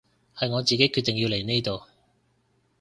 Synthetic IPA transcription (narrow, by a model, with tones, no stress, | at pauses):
hɐ˨jŋɔː˨˧t͡siː˨˩ke˥jkʰy˧t̪ːɪ˨ŋji˧wle˨˩jne˥jt̪o˨w